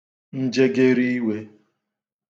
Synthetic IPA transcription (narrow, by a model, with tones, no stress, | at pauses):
n̩˦d͡ʒe˦ɡe˦ɾi˦i˦we˦